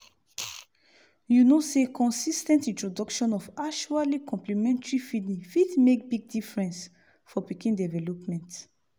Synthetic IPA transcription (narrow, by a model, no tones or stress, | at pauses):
junosekʰɔ̃nsistɛ̃ntĩntɹodɔkʃɔ̃nɔfakʃualikʰɔ̃mplimɛ̃ntɹifiĩfitmekbiɡ̚difɹɛ̃ns | fɔpikĩndɛvɛlɔpmɛ̃nt